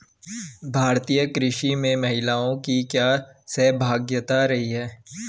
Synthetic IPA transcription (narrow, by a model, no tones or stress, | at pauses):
bʱaːɾt̪ijəkɾɪʃimẽmɐɦɪlaːõkikjaːsɛːbʱaːɡjət̪aɾɐɦiɦɛː